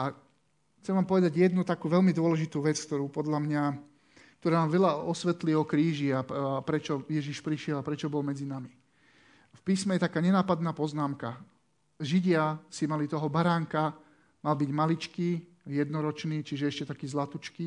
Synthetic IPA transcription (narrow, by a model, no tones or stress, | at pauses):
a | xt͡sɛmʋaːmpɔʋɛd̪aɟjɛd̪nut̪akuːʋɛlmid̪ʊɔlɛʒit̪uːʋɛt͡skt̪ɔɾuːpɔd̪lamɲa | k̚t̪ɔɾaːnaːmʋɛlaɔsʋɛt̪liɔkɾiːʒiapɾɛt͡ʃɔjɛʒiʃpɾiʃɪɛlapɾɛt͡ʃɔbɔlmɛd͡zinami | fpiːsmɛjɛt̪akaːɲɛnaːpad̪naːpɔznaːmka | ʒiɟɪasimalit̪ɔɦɔbaɾaːŋka | malbiɟmalit͡ʃkiː | jɛd̪nɔɾɔt͡ʃniːt͡ʃiʒɛɛʃcɛt̪akiːzlat̪ut͡ʃkiː